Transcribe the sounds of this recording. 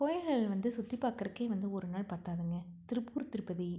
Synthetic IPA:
koːjɐlɣɐɭɪlʋɐnd̪ɯsʊt̪ːipːaːɾkɐɾɐkːeːʋɐnd̪ɯɔɾɯnaːɭpaːɾt̪aːðɯŋɡɐ | t̪ɪɾɯpːuːɾt̪ɪɾɯpːɐði

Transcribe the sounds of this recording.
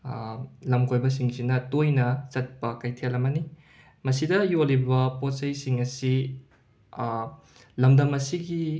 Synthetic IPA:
lɐmkojbɐs̬iŋsinɐtojnɐsɐt̚pɐkɐjtʰelɐmɐni | mɐsidɐjolibɐpotsɐjsiŋɐsi | lɐmdɐmɐsiɡi

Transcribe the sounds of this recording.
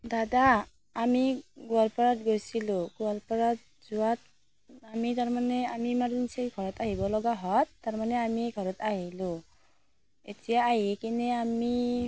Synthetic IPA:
dadaː | miɡɔlpɔɹat̚ɡojsilʊ̃ɡɔlpɔɹat̚ | zuwat̚ | amitaɹmanɛamimaɹinseɡʱɔɹɔtaɦibɔlɔɡaɦɔtːaɹmanɛamiɡʱɔɹɔtaɦilʊ̃ | etijaːɦikinɛami

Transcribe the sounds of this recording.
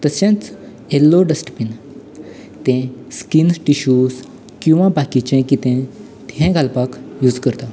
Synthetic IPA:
t̪əsjãt͡s | elːoɖəsʈəpin | t̪ɛ̃skinʈiɕuːs | kĩw̃ʋãbakit͡ɕɛ̃kit̪ɛ̃ | t̪ɛ̃ɡʱalpakjud͡zkəɾt̪a

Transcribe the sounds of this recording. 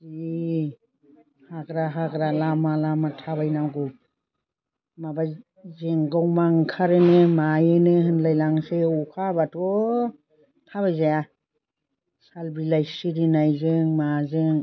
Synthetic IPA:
zi | hakɾaɦaɡɾalamalamatʰabajnawɡu | maba | zeŋɡawmaŋkʰaɾɯnɯmajɯnɯɦɯnlajlaŋseukʰabatʰɔ | tʰaβajzaja | salbilajsiɾinajzɯŋmazɯŋ

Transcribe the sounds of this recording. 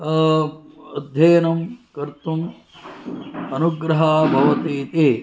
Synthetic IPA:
ɐd̪ʱjɐːɐnɐmkɐɾt̪um | ɐnuɡɾɐɦaːbʱɐʋɐt̪iːt̪e

